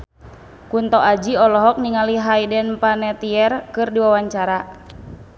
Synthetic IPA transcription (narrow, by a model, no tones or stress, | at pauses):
kunt̪ɔʔad͡ʒiɔlɔɦɔk̚niŋaliɦajdɛnpanɛt̪iɛrkɨrdiwawaɲt͡ʃaɾa